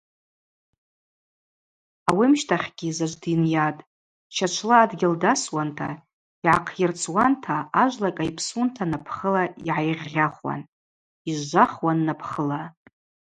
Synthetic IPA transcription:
awimʃtʰaχʲɡ̥ʲizaʒʷdinjatʼ | t͡ʃʰat͡ʃʷʰlaːdɡʲɪldaswantʰa̰ | iʕaqʰjɪrt͡sʰʼwantʰaaʒʷlakʼajpʰsuntʰanapʰχəlaiʕajʁʲːaχwa̰n | iʒʷʒʷaχwanːapʰχəla

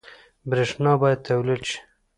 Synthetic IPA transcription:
bɾeʂnɑbɑjad̪̚t̪awlid̪ʃi̥

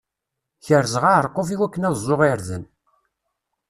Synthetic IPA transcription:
çəɾzʁaəɾˤqːofiwækːənæðzˤːoʁiɾðən

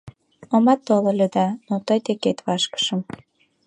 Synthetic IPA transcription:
omɑt̪ːololʲød̪ɑnot̪əjt̪eket̪βɑʃkə̥ʃəm

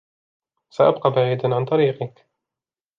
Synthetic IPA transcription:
saʔa̰b̚qɑbaʕiːd̪anʕant̪ˤɑɾiːqɪk

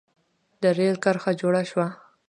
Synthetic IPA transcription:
d̪əɾelkəɾxad͡ʒoɽaʃwa

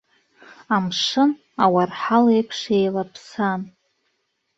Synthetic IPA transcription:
amʂɨn | awarħalejpʰʂejlapʰsan

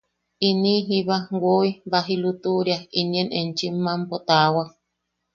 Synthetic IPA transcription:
iniɦiβawoibaɦilut̪uɾjaiɲenent͡ʃiːampot̪awa

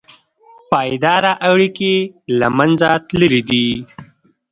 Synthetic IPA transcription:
pɑːjd̪ɑɾaʔawɽikelamanzat̪ləɾid̪i

